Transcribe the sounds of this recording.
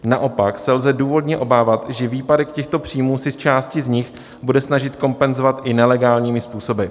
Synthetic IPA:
naʔo̞paksɛlzɛduːvo̞dɲɛʔo̞baːvat̪ʒɛviːpadɛkcɛxt̪o̞pr̝̥ijmuːsɪst͡ʃaːscɪzɲɪx | budɛsnaʒɪt̪ko̞mpɛnzovat̪ʔɪnɛlɛɡaːlɲiːmɪspuːso̞bɪ

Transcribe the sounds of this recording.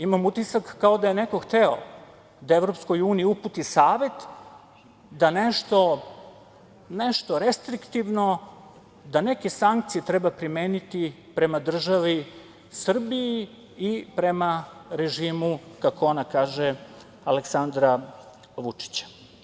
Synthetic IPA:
imamut̪isakːao̞d̪ajeneko̞xt̪eo̰ | d̪aeʋɾopsko̞juːniiuput̪isaːʋe̞t̪ | d̪aneʃt̪o̞ | neʃt̪o̞ɾe̞st̪ɾikt̪iʋno̞ | d̪ane̞ke̞saŋk̚t̪sije̞t̪ɾebapɾimeːnit̪i | pɾe̞mad̪r̩ʒaʋi | sr̩biː | pɾe̞maɾe̞ʒiːmukakoonakaːʒe | aleksand̪ɾa | ʋut͡ʂi̥t͡ɕḁ

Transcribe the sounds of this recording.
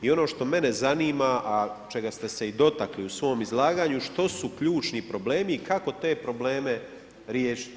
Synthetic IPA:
io̞no̞ːʃt̪o̞me̞ne̞zaniːmaʔat͡ʃe̞ɡast̪e̞se̞id̪o̞t̪akliusʋo̞ːmizlˠaːɡaːɲuʃt̪o̞sukʎuːt͡ʃnipɾo̞ble̞ːmiːkako̞t̪e̞ːpɾo̞ble̞ːme̞ | ɾjeːʃi̥t̪

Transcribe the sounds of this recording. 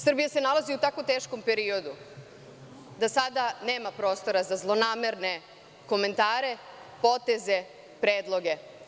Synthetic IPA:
sr̩bijase̞nalaziut̪ako̞t̪e̞ːʃko̞mpe̞ɾio̞d̪u | d̪asad̪ane̞ːmapɾo̞st̪o̞ɾazazlˠo̞naːme̞ɾne̞ | ko̞me̞nt̪aːɾe̞po̞t̪e̞ze̞ | pɾeːd̪lˠo̞ɡe̞

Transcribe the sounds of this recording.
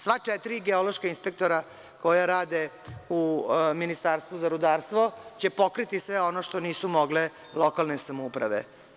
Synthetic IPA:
sʋat͡ʂet̪ɾiɡeolo̞ʃkainspe̞k̚t̪o̞ɾa | ko̞jaɾaːd̪e | uminist̪aːɾst̪ʋuzaɾud̪aːɾst̪ʋot͡ɕepo̞kɾit̪isʋeo̞noʃt̪o̞niːsumoɡle | lo̞kalnesamoupɾa̰ʋḛ

